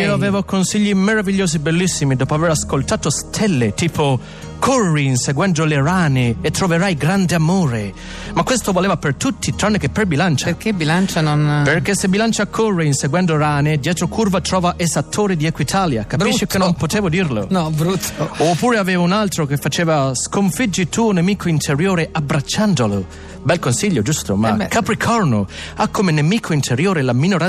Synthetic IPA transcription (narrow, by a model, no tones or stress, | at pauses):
iːoavɛːvokonsiʎːimeɾaviʎːoːsibelːisːimid̪ɔːpoaveɾaskolt̪aːt̪ost̪ʰɛlːet̪iːpʰo | kʰorːinseɡwɛnd̪oleɾaːnɪːt̪ːɾoveɾajɡɾand̪eamoːɾe | makːwest̪ovolɛːvapert̪ut̪ʰːit̪ɾanːekepːɾebilant͡ʃaɾkebilant͡ʃanonperk̟esːebːilant͡ʃakʰːorːeinseɡwɛnd̪oɾaːned̪jɛːt̪ɾokʰurvat̪ɾɔːvaʔesat̪ʰːoːɾid̪iɛkwit̪ʰaːlja̰kabɾiʃʃːikenːomppot̪eːvod̪irlo̰nɔbɾut̪ʰːoopːuːɾeavɛːvaunalt̪ɾok̟efːat͡ʃeːvaskoɱfid͡ʒːit̪uːonemiːkʰoint̪eɾjoːɾeʔabɾat͡ʃːand̪olo | bɛlkonsiʎːod͡ʒust̪omakʰːapɾikʰɔrno̰ | akʰːomenemiːkʰoint̪eɾjoːɾelaminoɾa